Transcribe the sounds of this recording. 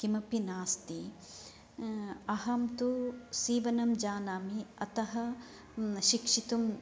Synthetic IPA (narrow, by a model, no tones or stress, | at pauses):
kimɐpinaːst̪i | ɐɦɐmt̪usiːʋɐnɐmd͡ʒaːnaːmiɐt̪ɐɦɐ | ʃikʂit̪um